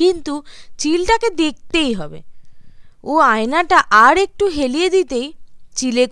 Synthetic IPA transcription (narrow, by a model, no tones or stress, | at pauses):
int̪ut͡ɕilʈaked̪ek̚t̪ejɦɔbḛ | oajnaʈaʔaɾek̚ʈuɦelied̪it̪ejt͡ɕile